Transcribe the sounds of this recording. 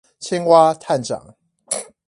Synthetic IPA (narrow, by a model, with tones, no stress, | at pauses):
t͡ɕʰi˥ŋwa˥t̪ʰa˥˩nʈ͡ʂɑ̰˨˩˦ŋ